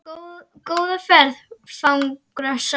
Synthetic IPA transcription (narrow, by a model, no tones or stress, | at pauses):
kowðɪfɛɾðfawŋkɾas